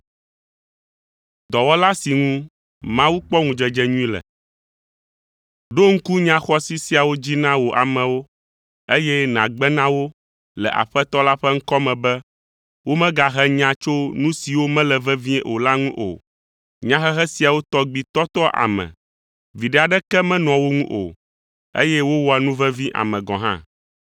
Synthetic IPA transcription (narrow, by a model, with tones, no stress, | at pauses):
d̪ɔ˨wɔ˦la˦si˨ŋũ˦ | mã˦wu˦k͡pɔ˦ŋũ˨d͡ʒɛ˨d͡ʒɛ˦ɲũ˦ĩ˦lɛ̰˨ | ɖo˦ŋ̩˦ku˦ɲã˦xɔ˦si˦si˦a˨wo˦d͡ʑi˦nã˦wo˨ʔa̰˨mɛ̃˨wo˦ | e˦jɛ˦nã̰˨ɡ͡bɛ˦nã˦wo˦ | lɛ̰˨ʔa̰˨ɸɛ˦t̪ɔ˦la˦ɸɛ˦ŋ̩˦kɔ˦mɛ̃˨bɛ˦ | wo˦mɛ̃˦ɡa˨ɦɛ˦ɲã˦t͡ʃo˦nũ˦si˨wo˦mɛ̃˦lɛ˨vɛ˦vĩ˦ʔo˨la˦ŋũ˦ʔo̰˨ | ɲã˦xɛ˦xɛ˦si˨a˨wo˦t̪ɔ˦ɡ͡bi˨t̪ɔ˦t̪ɔ˦ʔa̰˨mɛ̰̃˨ | vi˨ɖɛ˦a˨ɖɛ˦kɛ˦mɛ̃˦nɔ̃˨wo˦ŋũ˦ʔo̰˨ | ḛ˦jɛ˦wo˦wɔ˨ɛ˨nũ˦vɛ˦vĩ˦ʔa̰˨mɛ̃˨ɡɔ̃˨ɦã̰˦